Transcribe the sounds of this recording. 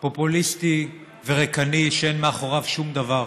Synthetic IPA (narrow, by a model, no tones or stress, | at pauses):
po̞pulist̪i | ve̞ʁekaniʃeenmeaχo̞ʁavʃumd̪avaʁ